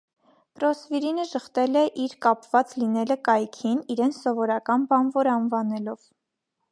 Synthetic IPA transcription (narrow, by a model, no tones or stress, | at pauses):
pɾɔsviɾinəʒəχt̪ɛlɛʔiɾkɑpvɑt͡slinɛləkɑjkʰiniɾɛnt͡sʰsɔvɔɾɑkɑnbɑnvɔɾɑnvɑnɛlɔv̥